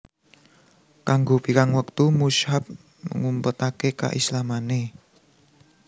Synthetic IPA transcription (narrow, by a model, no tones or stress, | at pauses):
kaŋɡopikaŋwəkt̪umushap̚ | mə̰ŋumpət̪akeka̰ʔislamane